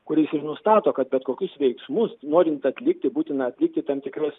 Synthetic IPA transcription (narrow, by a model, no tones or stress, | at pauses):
kʊɾʲɛɪsɪrnʊst̪ɑːt̪oːkɐt̪bʲɛt̪koːkʲʊsʋʲɛɪksmʊsnoːɾʲɪnt̪ɐt̪ʲlʲɪk̚t̪ʲɪbuːt̪ʲɪnɐɐt̪ʲlʲɪk̚t̪ʲɪt̪ɑmt̪ʲɪkɾɐs